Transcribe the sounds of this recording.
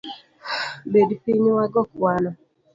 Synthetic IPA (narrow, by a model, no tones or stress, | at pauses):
bedipiɲiwaɡɔkwana